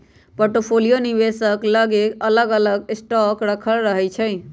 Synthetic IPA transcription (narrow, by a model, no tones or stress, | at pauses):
poɾʈopʰolijoniβesəkləɡekələɡələɡsʈɔkɾəkʰəlɾəɦɛt͡ʃʰəɪ